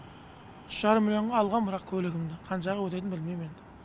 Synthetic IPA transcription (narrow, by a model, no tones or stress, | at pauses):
ʃʒɑɾəmɪlʲjoɴʁɑɑlˠʁɑnbəɾɑqkʲʰɵlɪɡʲɪmd̪ɪqʰɑnʃɑʁəwɵt̪e̞t̪ɪnbɪlmejme̞n